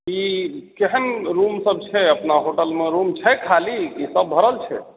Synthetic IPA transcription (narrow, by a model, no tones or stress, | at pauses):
ikeɦənɾumsəb̚t͡ʃʰɛəpnaɦoʈəlmeɾumt͡ʃʰɛkʰalikisəbːʱəɾəlt͡ʃʰɛ̰